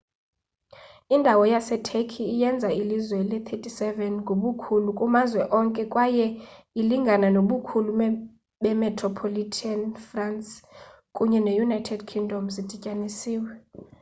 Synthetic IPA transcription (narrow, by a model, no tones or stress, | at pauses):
indʱawɔjasɛtʰekʰiijɛnd͡zʱailizwɛlɛt̪ʰetʰʼisɛvɛnŋɡʱoɓukʰulukʼumazwɛʔɔŋkʼɛkʼwajɛ | iliŋɡʱananoɓukʰulu | ɓɛmɛtʰʼrɔpʰolitʰanfrans | kʼuɲɛnejunajtʰɛdkʰiŋdʱɔmzid̥ʱicʼanisiːwɛ